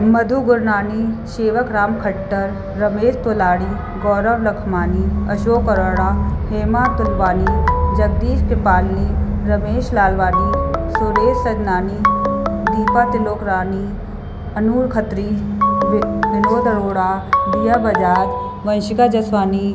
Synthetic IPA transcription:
mɐd̪ʱuɡʊɾnaːniʃeːʋəkɾaːmkʰɐʈːəɾː | ɐmeːst̪oːlaːɽi | ɡɔːɾəʋlɐkʰmaːniɐʃoːkɐɾəɽ̃aːheːmaːt̪ʊlʋaːnid͡ʒɐɡ̚d̪iːʃpɪpaːlni | ɾɐmeːʃlaːlʋaːnisoɾeːssɐd͡ʒnaːnid̪iːpat̪ɪloːkɾaːni | ɐnuːɾkʰɐt̪ɾi | ʋɪnoːd̪ʱɐɽoːɽaːb̪ijabɐd͡ʒaːd͡ʒ | ʋɐ̃nʃɪkad͡ʒɐsʋaːni

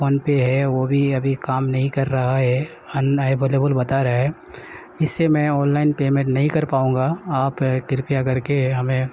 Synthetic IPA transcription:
oːnpeɦɛʋobʱiɐbʱikaːmnɐɦĩkɐɾːɐɦaɦɛ | ɐnaːɪʋeːleːbəlbɐt̪aɾɐaɦɛ | ɪsːemɛ̃ɔːnlaːɪnpeːmẽʈnɐɦĩkɐɾpaːũːŋɡaaːpkɪɾpijak̬ɐɾkeɦɐmẽ

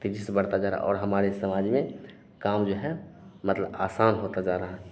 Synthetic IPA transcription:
t̪id͡ʒisebɐɽ̤t̪ad͡ʒaːɾə̰ɦa̰ʔɔːɾɦɐmaːɾesəmaːd͡ʒmẽ | kaːmd͡ʒoːɦɛmət̪ləbaːsaːnɦoːt̪ad͡ʒaːɾəɦaɦ

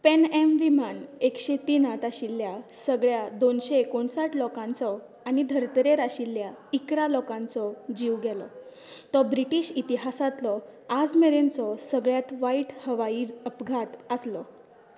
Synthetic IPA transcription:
penemʋimanekɕet̪iːnat̪aɕilːjasəɡɭjad̪onɕeːkoɳsaʈlɔkãnt͡sɔ | anid̪ʱəɾt̪əɾeɾaɕilːjaikɾalɔkãnt͡sɔd͡ʑiʋɡɛlɔ | t̪ɔbɾiʈiːɕit̪iɦasat̪lɔad͡zmeɾent͡sɔsəɡɭjat̪ʋaiʈhəʋaiːɾəpɡʱat̪əslɔ

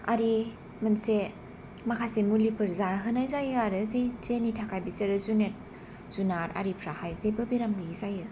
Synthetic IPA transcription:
a̰ɾi | mɯnse | makʰasemulipʰɯɾzaɦɯnajzajɯaɾɯzejzenitʰakʰajbiseɾɯzunet̚ | z̥unaɾa̰ɾipʰɾahajzejbɯbiɾamɡɯɡisajɯ

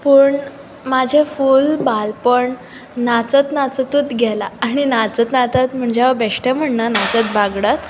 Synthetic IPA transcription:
pəːɳ | mad͡ʑʱefulbalpəɳ | nat͡sət̪nat͡sət̪ut̪ɡʱɛlaːɽ̃inat͡sət̪nat͡sət̪m̤əɳd͡ʑaʋəbeʂʈam̤əɳnanat͡sət̪̚baɡɽat̪

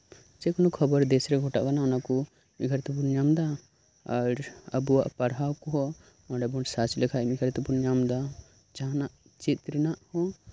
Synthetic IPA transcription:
t͡ʃɛkɔnɔkʰɔbəɾd̪ɛsɾɛɡʱɔʈa̰ʔkanaɔnakɔ | miɡʱəɾt̪ɛbunjamd̪a | aɾə̰buwaʔpaɽawkɔɦɔ | mɔɖɛbɔsat͡ʃilɛkʰamiɡʰʱəɾt̪ɛbunjamd̪a | t͡ʃaɦnaʔ | t͡ʃit̪̚ɾɛnaʔhɔ

